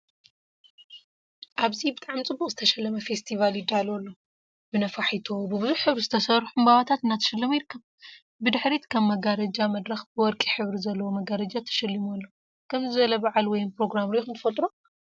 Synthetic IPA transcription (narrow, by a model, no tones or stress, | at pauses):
ʔaβzibɨt̪ʼaʕmit͡sʼɨbːuqʼzɨt̪ʰɐʃɐlːɐmɐfe̞st̪ʰivaljid̪ːalolːo̞ | bɨnɐfaħit̪ʰobɨbɨzuħħɨβɾizɨt̪ʰɐsɐɾħumbaβat̪ʰat̪ɨnːat̪ʰɐ̥ʃɐlːɐmjiɾɨkːɐβ | bɨd̪ɨħɾet̪kʰɐmːɐɡaɾɐd͡ʒamɐd̪ɾɐxbɨwɔɾkʼiħɨβɾizɐlːɐwomɐɡaɾɐd͡ʒat̪ʰɐ̥ʃɐlːɨmolːo | kʰɐmzɨbɐlɐbaʕalwɔjmpɾo̞ɡɾamɾixɨmt̪ʰɨ̥fɐlt̪ʼɾo